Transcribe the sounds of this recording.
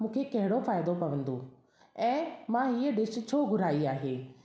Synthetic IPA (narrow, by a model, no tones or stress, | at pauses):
mũːkʰekɐɦɪɽofaːjd̪opɐʋə̃nd̪oː | ɛ̃ːmãːɦieɖɪʃt͡ʃʰoːɡʱʊɾaːiaːɦeː